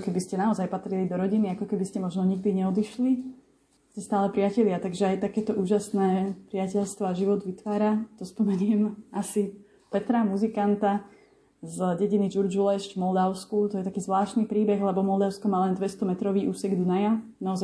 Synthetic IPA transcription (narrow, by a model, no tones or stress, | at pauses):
kɛbiscɛnaɔzajpat̪ɾilid̪ɔɾɔɟiniakɔkɛbiscɛmɔʒnɔɲiɡ̚d̪iɲɛɔd̪iʃli | scɛst̪aːlɛpɾɪacɛʎɪat̪aɡʒɛajt̪akɛːt̪ɔʔuːʒasnɛːpɾiɪacɛʎst̪ʋɔaʒiʋɔd̪ʋit̪ʋaːɾat̪ɔspɔmɛɲiɛmasi | pɛt̪ɾamuzikant̪a | zɟɛɟinid͡ʒuɾd͡ʒulɛʃcvmɔld̪aʊskut̪ɔjɛt̪akiːzʋlaːʃt̪nipɾiːbɛɣlɛbɔmɔld̪aʊskɔmaːlɛnd̪ʋɛst̪ɔmɛt̪ɾɔʋiːʔuːsɛɡd̪unajanaɔza